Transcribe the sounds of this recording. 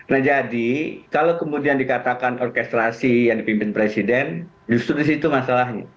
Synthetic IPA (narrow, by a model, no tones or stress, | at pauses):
nahd͡ʒadikalawkəmudiandikat̪akanɔrkɛst̪ɾasijaŋdipimpɪnpɾesidɛn | d͡ʒust̪ɾudis̬it̪umasalahɲa̰